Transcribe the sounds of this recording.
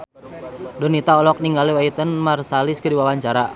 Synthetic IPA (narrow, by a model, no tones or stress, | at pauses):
dɔnit̪aɔlɔk̚niŋɡaliwait̪ənmarsalɪskədiwawaɲt͡ʃaɾa